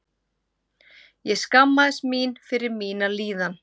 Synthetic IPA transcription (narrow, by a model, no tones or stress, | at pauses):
jɛɣskamːaðɪsmiːnfɪɾɪɾmiːnaliːðan